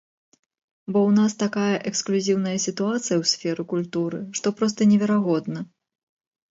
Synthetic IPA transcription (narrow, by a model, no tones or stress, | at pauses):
bɔwnast̪akajɐʔɛksklʲuzʲiwnɐjɐsʲit̪uat̪sɨjɐwsʲfʲɛɾɨkulʲt̪uɾɨʂt̪ɔpɾɔst̪ɐnʲɛvʲɛɾaɣɔd̪nɐ